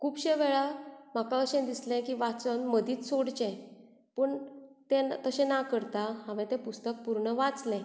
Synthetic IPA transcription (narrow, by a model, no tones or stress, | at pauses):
kʰuːbɕɛ̃ʋɛɭam̤akaəɕɛ̃d̪islɛ̃kiːʋat͡sənməd̪iːt͡s̪soɽt͡ɕɛ̃ | pəɳt̪ɛ̃t̪əɕɛ̃nakəɾt̪aɦaʋɛ̃t̪ɛ̃pust̪ək̚puɾɳəʋat͡slɛ̃